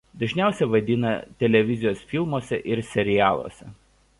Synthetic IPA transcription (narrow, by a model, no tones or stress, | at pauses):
d̪ɐʒʲnʲæˑʊsʲɛʋɐd̪ʲɪnɐt̪ʲɛlʲɛʋʲɪzʲɪjoːsfʲɪlˠmoːsʲɛʔɪɾsʲɛɾʲɪjæːlˠo̰ːsʲɛ̰